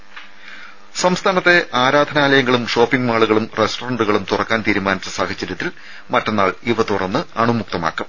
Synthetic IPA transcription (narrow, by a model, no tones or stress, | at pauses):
sɐmst̪ʰaːnɐt̪ːe̞ʔaːɾaːd̪ʱɐnaːlɐjɐŋːɐɭumʂo̞ːpːiŋɡmaːɭuɣɐɭumresʈorɐɳɖuɣɐɭumt̪urɐkːaːnt̪iːɾumaːnɐt͡ɕːɨsaːhɐt͡ɕːɐɾʲjɐt̪ːil | mɐtːɐnːaːɭiʋɐt̪urɐnːɨɐɳumuk̚t̪ɐma̰ːkːum